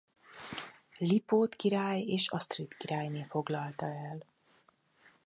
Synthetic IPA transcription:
lipoːt̪kiɾaːjeːʃɒst̪rit̪kiɾaːjneːfo̞ɡlɒlt̪ɒɛl

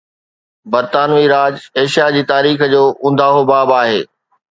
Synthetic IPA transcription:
bɐɾt̪aːnʋiɾaːd͡ʑeːʃijad͡ʑiːt̪aːɾiːxəd͡ʑoːʔʊ̃n̆d̪ʱaːɦobaːbaːɦeː

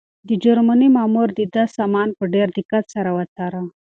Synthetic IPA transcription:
d̪əd͡ʒaɾmanimɑmuɾd̪əd̪asɑmɑnpəɖeɾd̪ɪkat̪saɾawat̪ɑɾa

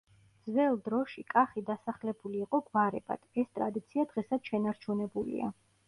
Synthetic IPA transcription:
d̪zvɛlˠd̪ɾɔʃikʼaχid̪asaχlɛbuliːqʼɔɡvaɾɛ̰ba̰d̪̥ɛst̪ʼɾa̰d̪it̪sʰiad̪̥ʁɛsad̪ʃɛnaɾt͡ʃʰunɛbulḭa̰

